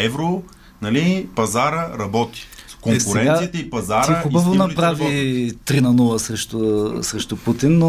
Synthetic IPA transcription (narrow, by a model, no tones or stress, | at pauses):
ɛvɾo | nɐlipɐzaɾəɾɐbɔt̪i̥koŋksɾɛɛnɡ̪asit̪ɛipɐzaɾiəxʊbɐvonɐpɾavit̪ɾinɐnulˠɐsɾɛʃt̪ʊsɾɛʃt̪ʊput̪inːo